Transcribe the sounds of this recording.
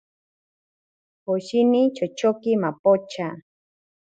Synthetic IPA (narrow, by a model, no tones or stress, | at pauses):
poʃinit͡ʃot͡ʃokɪmapot͡ʃa